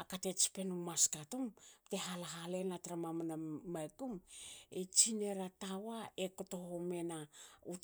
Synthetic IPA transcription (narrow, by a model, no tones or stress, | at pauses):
akate̞t͡ʃi̥pe̞numaskatomte̞ɦalaɦale̞natɾamamanamajkumet͡ʃine̞ɾatawae̞koto̞home̞nau